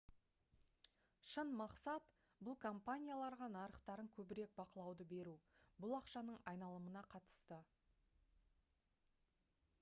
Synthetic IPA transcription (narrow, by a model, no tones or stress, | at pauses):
ʃənmɑqsɑt̪ | bʊlˠkʰo̞mpanʲijalˠɑɾʁɑnɑɾəqt̪ɑɾəŋkʲʰɵbɪɾe̞k̚bɑqəlˠɑwd̪əbe̞ɾubʊlˠɑqʃɑnəɴɑjnɑlˠəmənɑqʰɑt̪ə̥st̪ə